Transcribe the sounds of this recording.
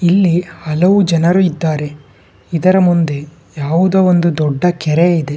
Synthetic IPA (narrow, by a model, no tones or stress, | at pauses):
ilːihɐlɐʋud͡ʒɐnɐɾuid̪ːaːɾe̞ | id̪ɐɾɐmund̪e̞ | jaːʋud̪ɐond̪ud̪ɔɖːɐkɛɾeid̪e̞